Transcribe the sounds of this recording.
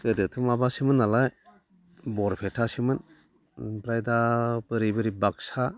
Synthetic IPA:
kɯdɯtʰɯmabasimɯnːalaj | bɔɾpʰetʰasimɯn | pɾajdapɯɾibɯɾibak̚sa

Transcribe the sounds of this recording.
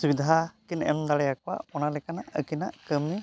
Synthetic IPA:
subid̪ʱaakinɛ̰md̪aɽɛjakɔwa̰ʔɔnalɛkanaʔəkinaʔkəmːi

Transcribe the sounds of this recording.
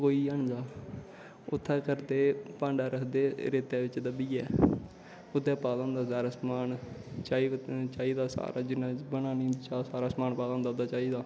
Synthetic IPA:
koːiːəɳd͡ʒaː | ʊt̪ʰːaːkəɾd̪eːpãːɳɖaːɾəkʰd̪eːɾeːt̪ɛːʋɪt͡ʃd̪əbiːɛː | ʊd̪ɛːpaːlõːnd̪aːsaːɾaːsmaːnt͡ʃaːit͡ʃaːiːd̪aːsa̰ːɾa̰ːd͡ʒɪnãːbənaːnĩt͡ʃaːsaːɾaːsmaːnpaːlãõːnd̪aːd̪aːt͡ʃaːiːd̪aː

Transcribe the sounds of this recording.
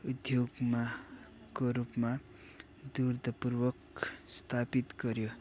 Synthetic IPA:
ud̪joɡma | koɾupma | d̪urd̪ʱʌpurwʌkst̪ʰapit̪ɡʌɾjo

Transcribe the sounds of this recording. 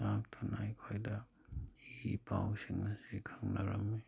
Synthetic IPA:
ak̚tʰunajkʰojda | ipawsiŋnasikʰaŋnaɾamːe

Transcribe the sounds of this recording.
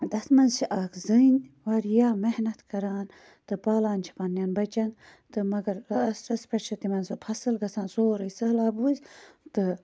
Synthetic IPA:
d̪ɐt̪mɐnzt͡ʃʰiʔɐkʰzɨinʲwaɾjaːmehnɐt̪kɐɾaːn | t̪ɨpaːlaːnʲt͡ʃʰi̥pɐnːjanbɐt͡ʃɐnt̪ɨmɐɡɐɾsʈɐspɾɐʃʰɐt̪imɐnzɨpʰɐsɨlɡɐsaːnsoːɾəjsɐlaːbuːzʲt̪ɨ

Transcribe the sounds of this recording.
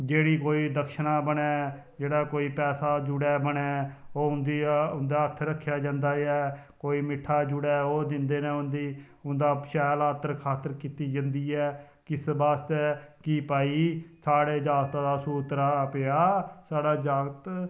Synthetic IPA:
d͡ʒeːɽiːkoːiːd̪əkʃənãːbənɛː | d͡ʒeːɽaːkoːiːpɛːsaːd͡ʒʊɽɛːbənɛːoːʊnd̪iːʊnd̪aːət̪ʰːɾəkʰːjaːd͡ʒãːnd̪aːɛːkoːiːmɪʈʰːaːd͡ʒʊɽɛːoːd̪ɪ̃nd̪eːnẽːʊnd̪iː | ʊnd̪aːʃɛːlaːt̪əɾkʰaːt̪əɾkiːt̪iːd͡ʒə̃nd̪iːɛː | kɪsbaːst̪ɛːkiːpaːiːsaːɽeːd͡ʒaːɡt̪ãːd̪aːsuːt̪ɾaːpejaːsaːɽaːd͡ʒaːɡət̪

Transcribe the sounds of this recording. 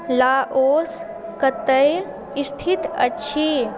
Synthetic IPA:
laːʔoːs | kət̪əj | ist̪ʰit̪ə̰tːt͡ʃʰi

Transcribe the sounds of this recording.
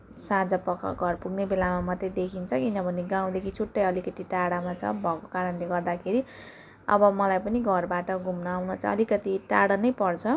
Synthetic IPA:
sãd͡zʌpʌkʌ̰ɡʱʌrpuɡnebelamamʌt̪ːjed̪ekʰint͡sʰʌkinʌbʱʌneɡaw̃d̪ekʰit͡sʰuʈːʌjʌlikʌt̪iʈaɽamat͡sʰʌ̰bʱʌko̥kaɾʌnleɡʌrd̪akʰeɾi | ʌ̰bʌmʌlajpʌniɡʱʌrbaʈʌɡʱumnʌawnʌt͡sʰʌ̰ːlikʌt̪iʈaɽʌnʌjpʌrt͡sʰʌ

